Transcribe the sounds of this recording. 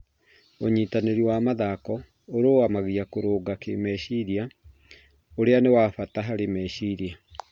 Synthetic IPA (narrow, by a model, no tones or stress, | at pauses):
oɲiːtaneɾiwaːmaðakɔ | oɾoːwamaɣiakoɾoːɡakemɛɕiɾja | oɾeanewaːfataɦaɾemɛɕiɾja